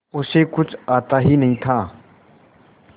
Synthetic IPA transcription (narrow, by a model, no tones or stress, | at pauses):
ʊseːkʊt͡ʃʰaːt̪aːɦiːnəɦĩːt̪ʰãː